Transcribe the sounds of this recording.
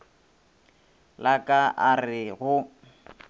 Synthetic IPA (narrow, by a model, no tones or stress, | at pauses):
lakʼaʔarɪɣʊ